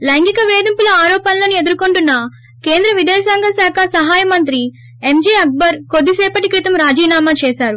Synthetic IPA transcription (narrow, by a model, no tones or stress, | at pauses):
lɐjŋɡikɐʋeːd̪ɐmpulɐaːɾɔːpɐnɐlɐnie̞d̪uɾkoɳʈunːɐ | keːnd̪ɾɐʋid̪ɛːsaːŋɡɐsaːkʰɐsɐɦaːjɐmɐnt̪ɾi | emd͡ʒeːɐk̚bɐɾkod̪ːisɛːpɐʈikɾit̪ɐmɾaːd͡ʒiːnaːmaːt͡ʃɛːsaːɾu